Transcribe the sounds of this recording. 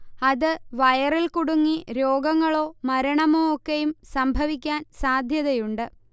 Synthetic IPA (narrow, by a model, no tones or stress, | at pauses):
ɐðɨʋɐjɐrilkuɽuŋːiɾoːɡɐŋːɐɭo̞ːmɐɾɐɳɐmoːokːejumsɐmbʱɐʋikʲːaːnsaːd̪ʱjɐðɐjuɳɖɨ